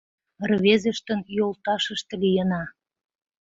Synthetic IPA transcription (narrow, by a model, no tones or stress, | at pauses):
rβezə̆ʃt̪ə̆njolt̪ɑʃə̆ʃt̪lijənɑ